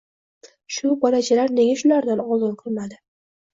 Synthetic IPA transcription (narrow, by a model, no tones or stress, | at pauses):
ʃʊbɒlat͡ʃʰalaɾne̞ɡʲaʃʊlaɾd̪anɒzɨnqʰɨlˠmad̪ɪ